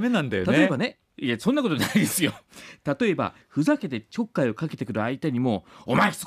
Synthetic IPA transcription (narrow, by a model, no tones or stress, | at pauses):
menãnd̪ajo̰ao̞ebane̞ | jasõ̞nːakot̪onaid̪esɨjo̞t̪at̪o̞e̞ba̰ | ɸɯ̟zake̞t̪e̞t͡ɕo̞kːaio̞kake̞t̪e̞kɯ̟ɾɯ̟ait̪aɲ̟imo̞ːomaeçi̥